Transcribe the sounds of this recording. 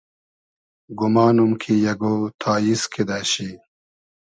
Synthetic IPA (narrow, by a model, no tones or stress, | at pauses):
ɡumaːnumkʰijɐɡoːt̪ʰaːjiskʰid̪aːɕi